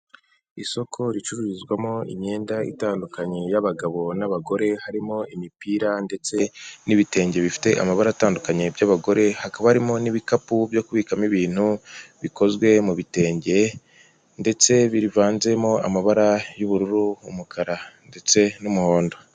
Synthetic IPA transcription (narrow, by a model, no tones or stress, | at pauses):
iso̞kʰo̞ɾit͡ʃuɾuɾizɡwamo̞ḭɲɲe̞ːndaḭtaːndukaɲe̞jaβaɡaβo̞naβaɡo̞ɾe̞haɾimo̞imipiːɾande̞t͡se̞niβite̞ːɲɟe̞βifi̥te̞ʔa̰maβaɾaːtaːndukaɲe̞bjaβaɡo̞ɾe̞hakaβahaɾimo̞niβikapubjo̞kuβiːkamiβiːn̥huβiko̞zɡwe̞muβite̞ːɲɟe̞ | nde̞t͡se̞βiɾivaːnze̞mo̞a̰maβaɾajuβuɾuɾuumukʰaɾande̞t͡se̞numuho̞ːndo̞